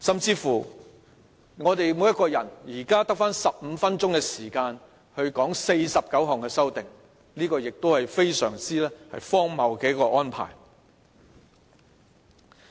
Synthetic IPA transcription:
sɐ˨mt͡siː˧fuː˨˩ | ŋɔː˨˧t̪e˨jmu˨˥jɐ˥t̚kɔː˧jɐ˨˩njiː˨˩kaː˥t̪ɐ˥k̚faː˥nsɐ˨p̚m̩ː˨˧fɐ˥nt͡ʃʊ˥ŋkɛː˧siː˨˩kaː˧n | hɵ˧ɥkɔː˨˥ŋse˧jsɐ˨p̚kɐ˨˥wɦɐ˨ŋkɛː˧sɐ˥wt̪ɪ˨ŋ | liː˥kɔː˧jɪ˨k̚t̪o˥whɐ˨jfe˥jsœ̰ː˨˩ŋt͡siː˥lɛː˥hɐ˨jfɔː˥ŋmɐ˨˧wkɛ˨˥jkɔː˧ʔɔː˥npʰa̰ː˨˩j

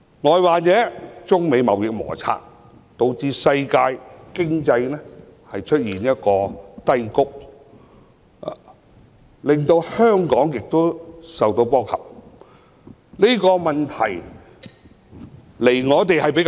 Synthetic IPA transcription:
ŋɔː˨˧jwaː˨t͡sɛː˨˥t͡sʊ˥ŋme˨˧jmɐ˨wjɪ˨k̚mɔ̰ː˨˩t͡sʰa̰ː˧t̚ | t̪o˧wt͡siː˧sɐ˧jkaː˧jkɪ˥ŋt͡sɐ˧jnɛ˥ | hɐ˨jt͡ʃʰɵ˥t̚jiː˨˩njɐ˥t̚kɔː˧t̪ɐ˥jkʊ˥k̚ | lɪ˨˩ŋt̪o˧whœː˥ŋkɔː˨˥ŋjɪ˨k̚t̪o˥wsɐ˨wt̪o˧wpɔː˥kʰɐ̰˨p̚ | liː˥kɔː˧mɐ˨˩nt̪ʰɐ̰˨˩j | le˨˩jŋɔː˨˧t̪̬e˨jhɐ˨jpe˨˥k

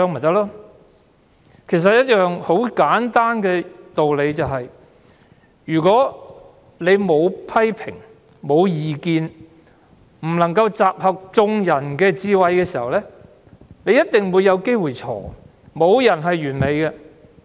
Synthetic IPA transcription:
œː˧ŋm̩˨˩t̪ɐ˥k̚laː˥ | kʰe˨˩js̬ɐ˨t̚jɐ˥t̚jœː˨ŋho˨˥wkaː˨˥nt̪aː˥nkɛː˧t̪o˨wle˨˧jt͡sɐ˨wɦɐ˨j | jyː˨˩kɔː˨˥ | le˨˧jmo˨˧wpʰɐ˥jpʰɪ̰˨˩ŋ | mo˨˧wjiː˨kiː˧n | m̩˨˩lɐ˨˩ŋkɐ˧wt͡saː˨p̚hɐ˨k̚t͡sʊ˧ŋjɐ˨˩nkɛː˧t͡siː˧wɐ˨˧jkɛː˧siː˨˩hɐ˨wlɛː˥ | ne˨˧jɐ˥t̚t̪ɪ˨ŋwuː˨˧jːɐ˨˧wke˥jwuː˨˩jt͡sʰɔ̰ː˨˩ | mo˨˧wjɐ˨˩nɦɐ˨jːyː˨˩nme˨˧jkɛ˧

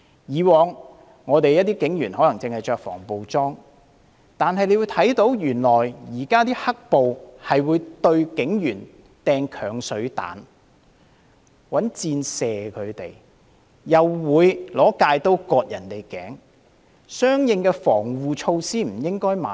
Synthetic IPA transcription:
jiː˨˧wɔː˨ŋː | ɔː˨˧t̪e˨jɐ˥t̚t̪iː˥kɪ˨˥ŋjyː˨˩nhɔ˨˧˥lɐ˨˩ŋt͡sɪ˨˧ŋhɐ˨jt͡ʃœː˨˧k̚fɔ̰ː˨˩ŋpo˨wt͡sɔː˥ŋ | t̪aː˨nɦɐ˨jle˨˧jwuː˨˧jt̪ʰɐ˨˥jt̪o˨˥wjyː˨˩nlɔː˨˩jjiː˨˩kaː˥t̪iː˥hɐ˥k̚po˨whɐ˨jwuː˨˧jt̪ɵ˧ɥkɪ˨˥ŋjyː˨˩n | t̪ɛː˧ŋkʰœː˨˩ŋsɵ˨˥ɥt̪a̰ː˨˥n | wɐ˨˥nt͡siː˧nsɛː˨kʰɵ˨˧ɥt̪e˨˩j | jɐ˨wːuː˨˧jlɔː˨˥kaː˧jt̪o˥wkɔː˧t̚jɐ˨˩nt̪e˨jkɛ̰ː˨˥ŋ | sœː˥ŋjɪ˧ŋkɛː˧fɔː˨˩ŋwuː˨t͡ʃʰo˧wsiː˥m̩˨˩jɪ˥ŋkɔː˥jma̰ː˨

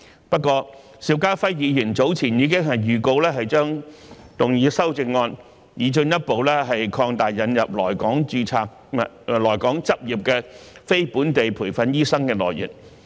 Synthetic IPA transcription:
pɐ˥t̚kʷɔː˧ | siː˧wkaː˥fɐ˥jjiː˨˧jyː˨˩nt͡so˨˥wt͡sʰiː˨˩njiː˨˧kɪ˥ŋɦɐ˨jːyː˨ko˧wlɛː˥ɦɐ˨jt͡ʃœː˥ŋ | t̪ʊ˨ŋjiː˨˧sɐ˥wt͡sɪ˧ŋːɔː˧n | jiː˨˧t͡ʃɵ˧njɐ˥t̚po˨wlɛː˥ɦɐ˨jkʰɔː˧ŋt̪aː˨jːɐ˨˧njɐ˨p̚lɔ̰ː˨˩jkɔː˨˥ŋt͡ʃyː˧t͡sʰaː˧k̚ | lɔː˨˩jkɔː˨˥ŋt͡sɐ˥p̚jiː˨p̚kɛː˧fe˥jpuː˨˥nt̪e˨jpʰuː˨˩jfɐ˨˧njiː˥sɐ˥ŋkɛː˧lɔ̰ː˨˩jjḭ˨˩n

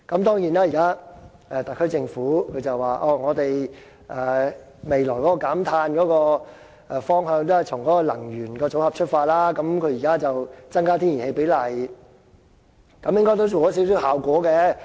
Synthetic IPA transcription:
kɐ˨˥mt̪ɔː˥ŋjiː˨˩naː˥˩jiː˨˩kaː˥ | ʔɛ˨˧t̪ɐ˨kʰːɵ˥jt͡sɪ˧ŋfuː˨˥kʰɵ˨˧t͡sɐ˨wːaː˨ʔɔː˧˩ŋɔː˨˧t̪e˨j | ʔɛː˨˩ | me˨jlɔː˨˩jkɔː˨˥kɔː˧kaː˨˥mt̪ʰaː˧nkɔː˨˦˥kɔː˧ | ʔɛ˨˩fɔː˥ŋɦœː˧ŋt̪o˥ɐ˨jʰʊ˨˩ŋkɔː˨˥kɔː˧lɐ˨˩ŋjyː˨˩nkɔː˧t͡so˨˥whɐ˨p̚t͡ʃʰɵ˥t̚faː˧t̚laː˥kɐ˨˧˥mkʰɵ˨˧ɥjiː˨˩kaː˥t͡sɐ˨wt͡sɐ˥ŋkaː˥t̪ʰi˥ni˨˩he˧jpe˨˥jlɐ˨˩j | kɐ˨˧˥mjɪ˥ŋkɔː˥jt̪̬o˥wt͡so˨wkɔ˨˦˥siː˨˥ws̬iː˨˥whaː˨wkʷɔː˨˥kɛ˧

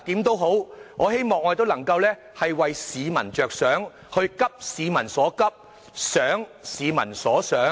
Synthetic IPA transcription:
t̪iː˨˥mt̪o˥wɦo˨˥wŋɔː˨˧he˥jmɔː˨ŋːɔ˧˥e˨˩t̪o˥wlɐ˨˩ŋkɐ˧wlɛː˥ | hɐ˨jwɐ˨jsiː˨˧mɐ˨˩nt͡ʃœː˨k̚sœː˨˥ŋ | hɵ˧ɥkɐ˥p̚siː˨˧mɐ˨˩nsɔː˨˥kɐ˥p̚ | sœː˨˥ŋsiː˨˧mɐ˨˩nsɔː˨˥sœː˨˥

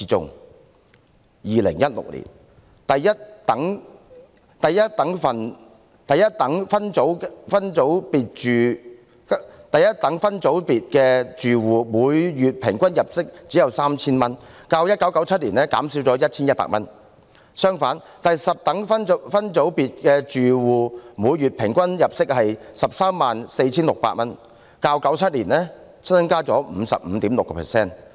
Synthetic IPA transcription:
i˨t͡sʊ̰˨˧ŋ | jiː˨lɪ̰˨˩ŋjɐ˥t̚lʊ̰˨k̚lḭː˨˩n | t̪ɐ˨jjɐ˥t̚t̪ɐ˨˥ŋ | t̪ɐ˨jjɐ˥t̚t̪ɐ˨˥ŋfɐ˨n | t̪ɐ˨jɐ˥t̚t̪ɐ˨˥ŋfɐ˥nt͡so˨˥wfɐ˥nt͡so˨˥wpiː˨t̚t͡ʃyː˨ | t̪ɐ˨jɐ˥t̚t̪ːɐ˨˥ŋfɐ˥nt͡so˨˥wpiː˨t̚kɛː˧t͡ʃyː˨wuː˨muː˨˧jːyː˨t̚pʰɪ˨˩ŋkʷɐ˥njɐ˨p̚sɪ˥k̚t͡siː˨˥jɐ˨wsaː˥mt͡sʰiː˥nmɐ˥nkaː˧wjɐ˥t̚kɐ˨˧˥wkɐ˨˥wt͡sʰɐ˥t̚liː˨˩nlɛː˥kaː˨˥msi˨˥wt͡sɔː˨˥jɐ˥t̚t͡sʰiː˥njɐ˥t̚pa̰ː˥k̚mɐ˥n | sœː˥ŋfaː˨˥n | t̪ɐ˨jsɐ˨p̚t̪ɐ˨˥ŋfɐ˥nfɐ˥nt͡so˨˥wpiː˨t̚kɛː˧t͡ʃyː˨wuː˨˩muː˨˧jɥyː˨t̚pʰɪ˨˩ŋkʷɐ˥njɐ˨p̚sɪ˥k̚hɐ˨jsɐ˨p̚saː˥mːaː˨nse˧jt͡sʰiː˥nlʊ˨k̚paː˧t̚mɐ˥n | kaː˧wkɐ˨˥wt͡sʰɐ˥t̚liː˨˩nlɛː˥ | sʰɐ˥nkaː˥t͡sɔː˨˥m̩˨˧sɐ̰˨p̚m̩˨˧t̪iː˨˥mlʊ˨kːɛ˧pʰɛ̰˨˩sɛː˥˩n

